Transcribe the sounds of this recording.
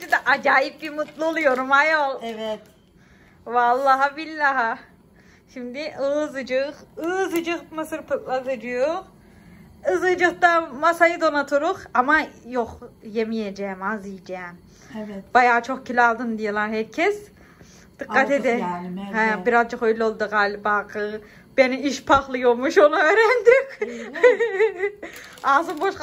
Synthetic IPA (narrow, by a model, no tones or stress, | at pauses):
d͡ʒid̪aʔad͡ʒaːjip̚bimut̪lˠɯolˠujo̞ɾumajolˠvɛt̪ | valˠːaɦabilːaɦa | ʃimd̪iʔɯzɯd͡ʒɯʁɯzɯd͡ʒɯmɯsɯɾpʰɯt̪lˠazɯd͡ʒɯjoχ | ɯzɯd͡ʒɯχt̪amasajɯd̪o̞nat̪ʰuɾuqamajoqjemijed͡ʒɛmazɯijd͡ʒɛm | b̥ajaːt͡ʃʰoχkʰilʲalˠd̪ɯnd̪ijelˠaɾɦɛɾcʰɛs | d̪̥ɯqːat̪ʰed̪ɛhɛbiɾazd͡ʒaχøjlʲolˠd̪ɯqaːlʲbaːqʰɯ | b̥eniiʃpʰaχlˠɯjolˠmuʃonaøɾɛnd̪yk | azɯnboʃ